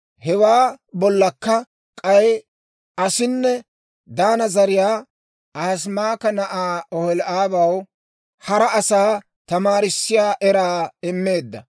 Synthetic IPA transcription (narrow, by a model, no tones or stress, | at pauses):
hɛwaːbɔlːɐkːɐ | kʼɐj | ɐsɪnːɛ | d̪aːnɐzɐɾɪjaː | ɐhɐs̬maːkɐnɐʔaːɔhɛlʔaːbɐw | hɐɾɐɐsaː | t̪ɐmaːɾɪsːɪjaːʔɛɾaːɛmːe̞ːd̪ːɐ̰